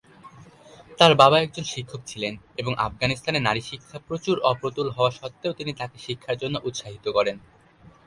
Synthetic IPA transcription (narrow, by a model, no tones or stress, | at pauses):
t̪aɾbabaɛk̚d͡ʑonʃikʰːok̚t͡ɕʰilen | eboŋʔa̰fɡanist̪ʰanenaɾiʃikʰːapɾot͡ɕuɾɔpɾot̪ulɦɔoaʃɔt̪ːeot̪init̪akeʃikʰːaɾd͡ʑonːoʔut̪ʃaɦit̪okɔɾen